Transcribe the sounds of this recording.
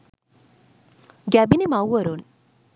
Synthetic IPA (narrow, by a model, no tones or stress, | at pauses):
ɡæbinimawɐɾon